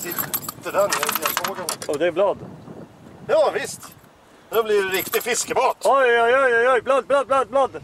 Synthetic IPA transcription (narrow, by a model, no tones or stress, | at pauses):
sɪt̪ːəɖanjaɾt̪iasoːɡənɔd̪ɛblɑːd̪ | jɑːvɪst̪ | md̪ɛblɪɾɾɪkt̪ɪɡfɪskəbɑːt̪ɔjɔjɔjɔjɔjblɑːd̪̚blɑːd̪̚blɑːd̪̚blɑːd̪